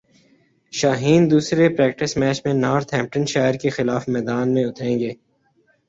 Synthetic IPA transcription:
ʃaːɦiːnd̪uːsɾepɾɛːk̚ʈɪsmɛːt͡ʃmẽnaːɾt̪ʰɦɛ̃ːmp̚ʈə̃nʃaːɪəɾkexɪlaːfmɛːd̪aːnmẽʊt̪ʰɾẽːŋɡeː

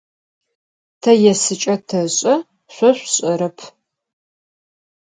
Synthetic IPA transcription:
tʰɐjɛsɨt͡ʃʼɐtʰɐɕʼɐ | ɕʷɔɕʷɕʼɐɾɐpʰ

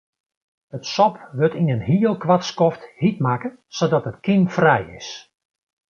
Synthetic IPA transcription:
ətsɔpʋøtinənɦiːəlˠkʋatskɔfthit̚makə | sodɔtətkimfrɛjɪ̰s

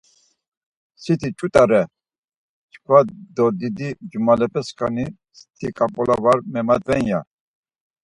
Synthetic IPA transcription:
sit̪ʰit͡ʃʰʼut̪ʼaɾɛ | t͡ʃkʰwad̪ɔd̪id̪id͡ʒumalɛpʰɛskʰani | st̪ʰikʼapʼɔlavaɾmɛmad̪vɛnja

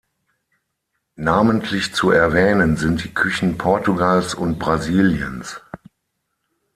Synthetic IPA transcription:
naːməntʰlɪçt͡suɛɐvɛːnənzɪnt̚d̥iːkʰʏçn̩pʰɔɐtuɡalsʊnt̚b̥ʁaziːljə̰ns

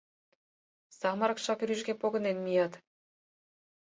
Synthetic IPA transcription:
sɑmɑɾɤkʃɑkɾyʒɡepoɣɤ̆nenmijɑt̪

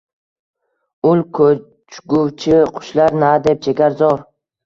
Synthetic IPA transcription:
ʊlkʰo | t͡ʃɡʊwt͡ʃʰɪqʰʊ̥ʃlaɾnad̪ep̚d͡ʒeɡʲaɾzɒɾ

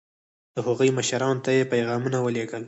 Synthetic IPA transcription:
d̪̥əhoɣujməʃɾɑnt̪ajepajɣɑmunawəleɡəl

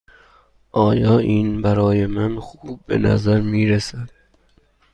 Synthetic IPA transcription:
ʔɒːjɒːʔiːnbæɾɒːjemænxuːb̚ːḛnæ̰zæɾmiːɾesæd̪̥̚

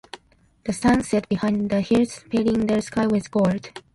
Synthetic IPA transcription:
ð̥əsãnsɛt̚b̥ihãɪ̃nðəhiɹtspʰeɾɪ̃ŋðəɹskaɪwɪðɡɔɹd̥

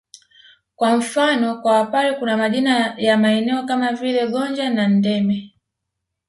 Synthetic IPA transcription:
kwam̩fanɔkwawapalɛkunamaʄinajamaɛnɛɔkamavilɛɠɔnd͡ʒanan̩dɛmɛ

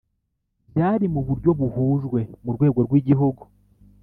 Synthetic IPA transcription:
ɟaːɾimuβuɾɟo̞βuhuːʒɡwe̞muɾɡwe̞ːɡo̞ɾɡwiːɟiɦuɡu

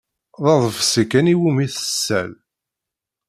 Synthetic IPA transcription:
ðˤɑðˤəfsikːæniwumiθə̥sːæ̰l

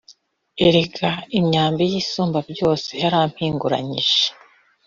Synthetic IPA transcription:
eɾeɡaimɲaːmbijiːsuːmbabjo̞ːse̞haɾaːm̥hiːŋɡuɾa̰ɲḭʒe

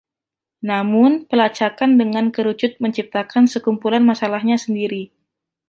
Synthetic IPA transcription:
namʊnpəlat͡ʃakandəŋankəɾut͡ʃʊt̪̚məɲt͡ʃip̚t̪akansəkumpulanmasalahɲasəndiɾi

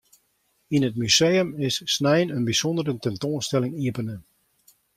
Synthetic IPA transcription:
inətmyseːəmɪsːnɛjnənbisɔndəɾətɛntoːnstɛlɪŋiəpənə

